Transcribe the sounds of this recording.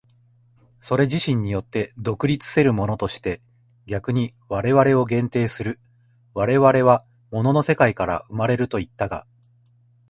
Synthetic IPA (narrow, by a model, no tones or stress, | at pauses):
so̞ɾe̞ʑiɕĩɲ̟ːijo̞t̪ːe̞d̪o̞kɯ̟ɾʲit͡sɨ̥se̞ɾɯ̟mo̞no̞t̪o̞ɕi̥t̪e̞ | ɡʲakɯ̟ɲ̟iβaɾe̞βaɾe̞o̞ɡẽ̞nt̪e̞ːsɨɾɯ̟ | βaɾe̞βaɾe̞βa | mo̞no̞no̞se̞kaikaɾa̰ɯ̟maɾe̞ɾɯ̟t̪o̞it̪ːaɡa̰